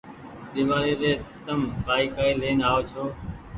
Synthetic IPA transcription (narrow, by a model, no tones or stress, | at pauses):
ɗɪʋaːɽeːɾeːt̪əmkaːiːkaːiːleːnaːoːt͡ʃʰoː